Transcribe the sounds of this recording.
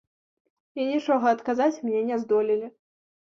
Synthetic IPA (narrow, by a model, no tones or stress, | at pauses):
inʲit͡ʂɔɣɐɐt̪kazat͡sʲmnʲɛnʲɛzd̪ɔlʲilʲi